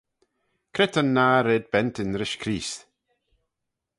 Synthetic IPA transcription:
kʰɾɛt̪ənːaːɾeːd̪̚bɛntɪnɾɪʃkʰɾiːs

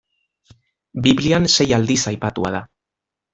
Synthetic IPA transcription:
biβlianse̞jald̪isajpat̪ua̰ða

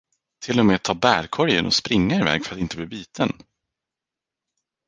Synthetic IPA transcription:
t̪ʰɪlːɔmeːt̪ʰɑːbæːɾkʰɔɾjənɔ̰spɾɪŋːaɪvɛ̰ːɡfœɾat̪ɪnt̪əbliːbyːt̪ʰən

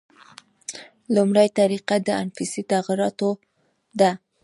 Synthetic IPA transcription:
lumɽajt̪aɾiqad̪əanfisit̪aɣiɾɑt̪o | d̪a

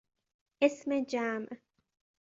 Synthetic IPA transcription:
ʔesmed͡ʒaːmʔ

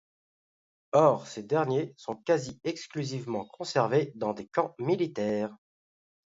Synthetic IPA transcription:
ɔʁsed̪ɛʁnjesɔ̃kaziɛksklyzivmɑ̃kʰɔ̃sɛʁved̪ɑ̃d̪ekɑ̃milit̪ɛːʁ

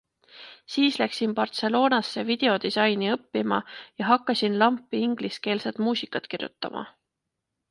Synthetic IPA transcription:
siːslæksimpɑrt̪se̞lo̞ːnɑsːevid̪̥e̞o̞d̪isɑjniɤpːimɑ̰jɑɦɑkːˑɑsinlɑmpːˑiiŋɡ̥liske̞ːlset̪muːsʲikːˑɑt̪kirjṵt̪ːˑɑ̰mʔɑ̰

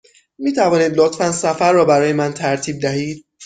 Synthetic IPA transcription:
miːt̪ʰævɒːniːd̪lɒːt̪ʰfænsæfæɾːɒːbæɾɒːjemænt̪ʰæɾt̪ʰiːb̚d̪æhiːd̪̥̚

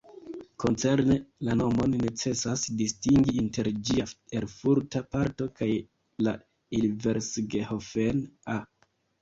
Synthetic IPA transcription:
ko̞nt͡se̞ɾnelano̞mo̞nːe̞t͡se̞sasdistiŋɡiinte̞ɾd͡ʒiae̞ɾfuɾtapaɾto̞kaj | la | ilve̞ɾsɡehofena

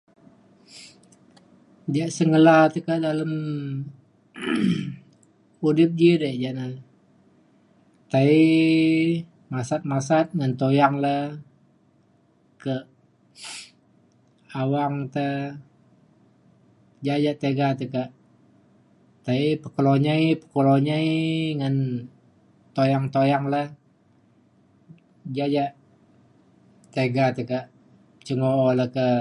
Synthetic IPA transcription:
d͡ʒaʔsəŋəlat̪əkaʔdaləm | udɪp̚d͡ʒiɾəʔd͡ʒaʔna | t̪ai | masat̪̚masat̪̚ŋant̪ojaŋlə | kə | awaŋt̪ə | d͡ʒad͡ʒaʔt̪eɡat̪əkaʔ | t̪aipəkəloɲaipə̥koloɲəiŋən | t̪ojaŋt̪ojaŋləh | d͡ʒad͡ʒaʔ | t̪eɡat̪əkaʔ | t͡ʃəŋooləkə

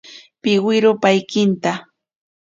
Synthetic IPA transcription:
pɪwɪɾʊpajkɪnt̪a

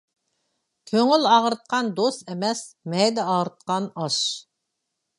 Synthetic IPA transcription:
kʲʰøŋylɑʁɾɨt̪̚qʰɑnd̪ost̪ɛmɛs | mɛjd̪ɛɑʁɾɨt̪̚qɑnɑʃ

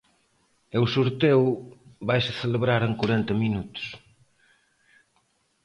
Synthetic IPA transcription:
ewsuɾt̪ewβajsɪθeleβɾaɾeŋkuɾent̪ɐminut̪ʊ̥s

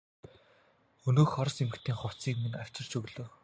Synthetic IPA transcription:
ɵnɵːxɔɾɞ̆semɘ̆kt̪ʰiːŋχʊw̥ʰt͡siːkminaw̥ʲt͡ɕɪ̆r̥t͡ɕɵɣɮɵ̆ː

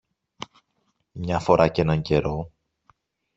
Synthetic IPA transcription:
mɲɐfo̞ɾʔɐce̞nɐɲɟe̞ɾo

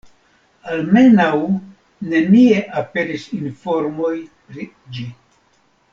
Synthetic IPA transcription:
alme̞naw | ne̞nie̞ʔape̞ɾisinfo̞ɾmo̞jpɾi | d͡ʒi

